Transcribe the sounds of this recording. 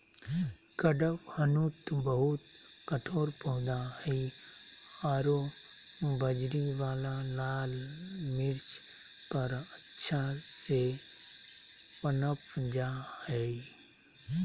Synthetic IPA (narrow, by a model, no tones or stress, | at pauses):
kəɖəphənut̪bəɦʊt̪ | kəʈʰoːɾpəɦʊ̃d̪ahi | aːɾo | bəd͡ʒɾiʋaːlalaːlmɪɾt͡ʃ | pəɾətːʃʰase | pənəpd͡ʒaːhɛːi